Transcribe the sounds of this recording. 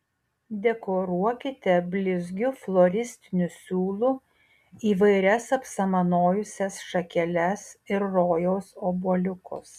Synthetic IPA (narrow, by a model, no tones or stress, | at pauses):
d̪ʲɛkoːɾuɔkʲɪt̪ʲɛbʲlʲɪzʲɡʲʊflˠoːɾʲɪsʲt̪ʲɪnʲʊsʲuːlˠʊ | iːʋɐɪɾʲɛsɐpsɐmɐnoːjʊsʲɛsʃɐkʲɛlʲɛsɪɾːoːjoʊsoːbuɔlʲʊkʊ̰s